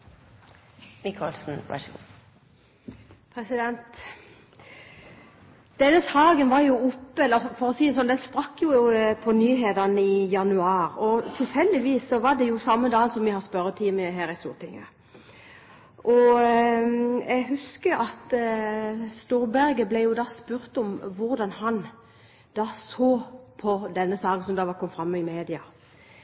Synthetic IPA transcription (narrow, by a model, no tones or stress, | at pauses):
mɪkʰɔlsn̩ɑ̰ | pʰɾɛsɪd̪ɛnt̪ | d̪̥ɛnːəsɑːɡənʋɑɾjʊʊpːəɛlːəfɔɾɔsiːsɔnd̪ɛnspɾɑkːjʊpʰɔnyːɦeːd̪ɑnəɪjɑnʉɑːɾɔt̪ʰɪlfɛld̪ɪʋiːsːɔʋɑɖ̪ɛjʊsɑmːəd̪ɑːnsɔmʋɪhɑspœɾət̪ʰiːməɦæːɾɪst̪ṵːɾt̪ʰɪŋːə | ʔɔ | ɛɡhʉskəɾɑt̪ | st̪uːɾbæɾɡəblɛjʊd̪ɑːspʉɾt̪ɔmʋʊɾd̪ɑnhɑn | d̪̥ɑːsoːpʰɔd̪ɛnːəsɑːkn̩sɔmd̪ɑʋɑkʰɔmːfɾɑmːɪmeːd̪ɪɑ